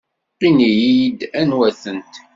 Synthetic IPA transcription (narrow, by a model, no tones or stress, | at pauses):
qinijid̪ænwæθənt̪